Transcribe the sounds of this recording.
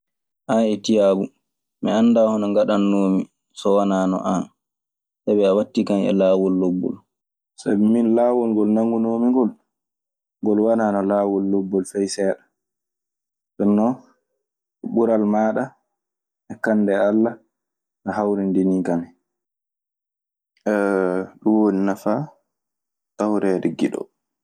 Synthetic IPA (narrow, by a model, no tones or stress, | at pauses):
ʔanɛtijabu | mianːdahɔnɔŋɡaɗanːoːmi | sɔwanaːnɔ̰ʔan | sabɛawatːikanɛ̰laːwɔlːɔbːɔ̰l | sa̰bɛminlawɔlŋɡɔlnaŋɡunoːmiŋɡɔl | ŋɡɔlwananɔlaːwɔlːɔbːɔlfɛjsɛːɗḁ | sɛnːɔ | ɛɓuɾalmaːɗa | ʔɛkanːdɛalːa | ʔahawɾindinikanɛ | ɛɗumwoninafa | tawɾɛɾiɡiɗɔ̰